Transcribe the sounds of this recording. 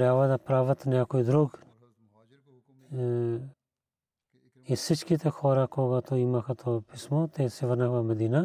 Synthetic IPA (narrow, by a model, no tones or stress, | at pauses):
ɾjaːʋɐd̪apɾaːʋɐt̪nɐjakoid̪ɾoːɡ | isɪt͡ʃkit̪exʰoːɾakoːɡat̪oimakʰat̪ʰopɪsmot̪esiʋɐnakbamɐd̪iːna